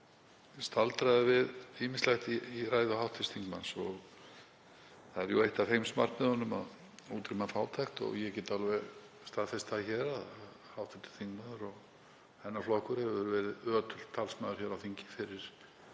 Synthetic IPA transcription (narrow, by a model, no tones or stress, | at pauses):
st̪alt̪ɾajðɪvɪðiːmɪnslajxt̪iiraːjðʏhawht̪ʰɪst̪ʰiŋkmansɔɣ | θaðɛɾjuejht̪ahejmsma̰r̥t̪nɪðhɔnːʏma̰ð | uːt̪ɾimafaːwt̪ʰajxt̪ɔ̰ɣjɛcɛːt̪alvɛɣ | st̪aðfɛst̪açɛːɾaðað | hawht̪ʰɪst̪ɪ̥st̪ʰiŋkmaðʏɾɔɣ | hɛnːaflɔkʏɾ̥hɛvɛɾvɛːɾɪðœːt̪ʰʏl̥t̪ʰːalsmaːðʏɾ̥çɛɾawθiɲcɪ̥fɪɾɪɾ̥